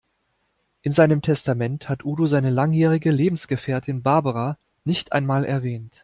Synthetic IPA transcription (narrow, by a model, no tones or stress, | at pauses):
ʔɪnzaɪnəmtʰɛstamɛnthatʔuːdozaɪnəlaŋjɛːʁɪɡəleːbm̩sɡ̥əfɛːɐtʰɪnbaɐbəʁa | nɪçtʔa̰ɪnmaːlɛɐvɛːnt